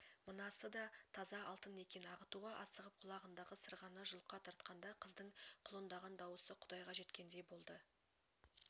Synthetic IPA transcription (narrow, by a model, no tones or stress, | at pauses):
mənɑsəd̪ɑt̪ʰɑzɑɑlˠt̪əne̞kʲe̞nɑʁət̪uʁɑʔɑsəʁəp̚qʰʊlˠɑʁənd̪ɑʁəsəɾʁɑnəʒʊlˠəqːɑt̪ʰɑɾt̪̚qɑnd̪ɑqʰəzd̪əɴqʰʊlˠənd̪ɑʁɑnd̪ɑwəsəqʰʊd̪ɑjʁɑʒe̞t̪kʲe̞nd̪e̞bo̞lˠd̪ə